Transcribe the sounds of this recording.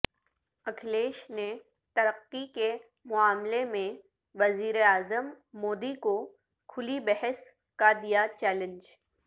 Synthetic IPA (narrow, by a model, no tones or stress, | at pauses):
ɐkʰleːʃne | t̪ɐɾəqːike | mʊaːmlemẽ | ʋɐziːɾeaːzəmː | oːd̪iko | kʰʊlibɛɦəs | kad̪ijat͡ʃɛːlə̃nd͡ʒ